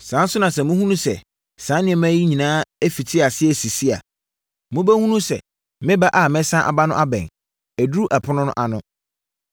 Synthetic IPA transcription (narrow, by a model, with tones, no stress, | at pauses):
sãː˨˦n˦sʊ˦nã˨sɛ̃˨mʊ̃˦hũ˦nũ˦sɛ̰˨ | sã˨˦nɪ̃˦ɛ˨mæ̃˦ji˦ɲĩ˨nãː˦e˦fi˨tʰɪ˦a˨sɪ˦ɛ˨si˨si˦a̰˨ | mʊ̃˦bæ˦hũ˦nũ˦sɛ̰˨ | mɪ̃˦ba˦ʔa˨mɛ̃˦sã˦ʔa̰˨ba˦nʊ̃˦ʔa˦bɛ̰̃˨ | æ˨du˦u˦ʔa˨pʰʊ˦nʊ̃˦nʊ̰̃˦ʔa˨nʊ̃˦